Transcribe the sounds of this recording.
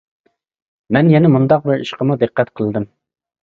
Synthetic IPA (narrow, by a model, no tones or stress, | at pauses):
mɛnjɛnɛmund̪ɑq̚bɪɾiʃqəmud̪ɨqːɛt̪qʰəlˠɨd̪ɨm